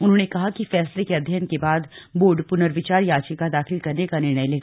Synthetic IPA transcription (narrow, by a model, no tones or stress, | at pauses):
ʊnɦõːnekɐɦakifɛːslekeɐd̪ʱjankebaːd̪boːɾɖpʊnəɾʋɪt͡ʃaːɾjaːt͡ʃəkad̪aːxɪlkɐɾnekanɪɾ̃əjleːɡaː